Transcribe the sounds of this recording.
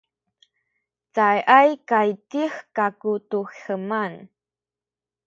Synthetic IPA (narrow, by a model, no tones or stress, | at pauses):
t͡sajʔajkajtixkakutuxəman